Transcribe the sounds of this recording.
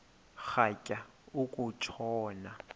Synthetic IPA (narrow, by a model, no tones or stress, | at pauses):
χakʼa | ʊkʼʊt͡ʃʰɔːna